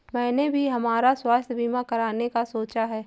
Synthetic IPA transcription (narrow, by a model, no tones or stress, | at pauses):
mɛ̃ːnebʱiɦɐmaːɾaswaːst̪ʰbiːmakɐɾaːnekasoːt͡ʃaɦɛː